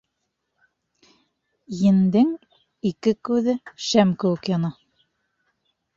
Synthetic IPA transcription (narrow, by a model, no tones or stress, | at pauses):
jɘ̆nd̪ɘŋ | ikɘkʉðɘʃæmkɘ̆wɘ̆kjɑnɑ